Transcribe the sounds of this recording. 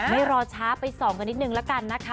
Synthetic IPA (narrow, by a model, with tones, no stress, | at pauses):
ma˥˩jɾɔː˧t͡ɕʰaː˦˥pa˧jsɔː˩˦ŋka˧ni˦˥t̪̚nɯ˨˩ŋlɛ˦˥ka˧nːa˦˥kʰa˦˥